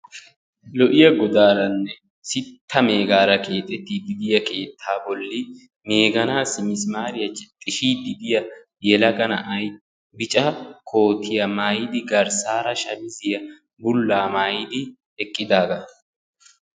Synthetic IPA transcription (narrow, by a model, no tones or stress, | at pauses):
lɔʔɪjɐɡɔd̪aːɾɐnːɛ | sɪt̪ʰːɐme̞ːɡaːɾɐke̞ːt̪ʼːɛt̪ːid̪ɪd̪ɪjɐkʰe̞ːt̪ʰːaːbɔlːɪ | me̞ːɡɐnaːsɪmɪsmaːɾɪjɐt͡ʃɪt̪ʼːɪʃiːd̪ɪd̪ɪjɐ | jɛlɐɡɐnɐʔɐj | bɪt͡ʃʼɐkʰo̞ːt̪ʰɪjɐmaːjɪd̪ɪɡɐɾsaːɾɐʃɐbɪzɪjɐ | bʊlːaːmaːjɪd̪ɪ | ɛkʼːɪd̪aːɡɐ